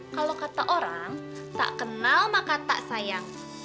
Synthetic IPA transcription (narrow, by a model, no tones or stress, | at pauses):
kalokat̪aʔoɾaŋ | t̪a̰ʔkənalmakat̪a̰ʔsajaŋ